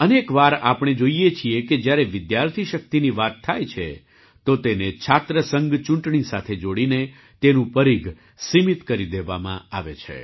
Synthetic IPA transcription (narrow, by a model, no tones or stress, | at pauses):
ənekʋaɾapɽ̃ed͡ʒoijet͡ʃʰieked͡ʒjaɾeʋɪd̪jaɾt̪ʰiʃək̚t̪iniʋat̪ʰːajt͡ʃʰḛ | t̪ot̪enet͡ʃʰat̪ɾəsəŋɡt͡ʃũɳʈɳisat̪ʰed͡ʒoɽine | t̪enũpəɾiɡ | simit̪kəɾid̪eʋamã̰aʋḛt͡ʃʰḛ